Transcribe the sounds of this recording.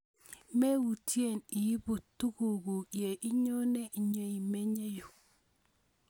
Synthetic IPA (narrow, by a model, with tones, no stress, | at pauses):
me˦wu˨ti˦e˦˨ni˨ji˦bu˨tːu˦ɡu˨ɡu˨je˨ʔi˦ɲo˦ne˦ʔi˨ɲo˦i˨me˦ɲe˦ju˨